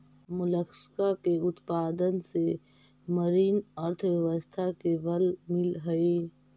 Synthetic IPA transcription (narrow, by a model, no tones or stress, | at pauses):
mʊləkskakeʊt̪paːd̪ənse | məɾiːnəɾt̪ʰʋjəwəst̪ʰakebəlmɪlɦəe